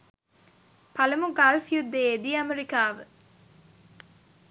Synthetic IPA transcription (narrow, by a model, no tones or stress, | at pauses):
pɐlɐmuɡalfijud̪eːd̪iɐmeɾikaːʋə